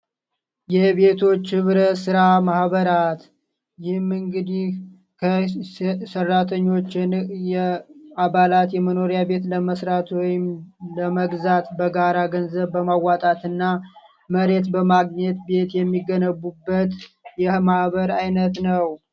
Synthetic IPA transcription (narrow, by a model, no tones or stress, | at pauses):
jɛβe̞t̪ʰo̞t͡ʃːhɨβɾəsɨɾamahbəɾat̪ | jɪhɨmɨŋɡɨd̪ih | kʰə | sərːat̪ʰəɲːo̞t͡ʃːɪnjɛaβalat̪jɛməno̞ɾijabe̞t̪ləməsɾat̪ʰwɔjɪmləməɡzat̪bəɡaɾaɡənzəβːəmawːat̪ʼat̪ɨnːa | məɾe̞t̪bəmaɡɲɛt̪be̞t̪jɛmːiɡːənəβːubːət̪jɛmahβəɾajnət̪nəw